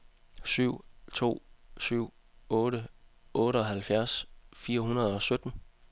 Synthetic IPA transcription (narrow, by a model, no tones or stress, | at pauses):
syʊ̰t͡sʰo̝̰ːsyʊ̰ | ɔːɾəɔ̽ːɾəɒ̽ɦælfjæɐsfiːɐhunɐð̞ˠɒ̽sød̥n̩